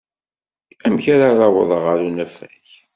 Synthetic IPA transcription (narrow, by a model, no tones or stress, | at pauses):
æmçaɾɑrˤɑwəðˤʁəɾunæfæç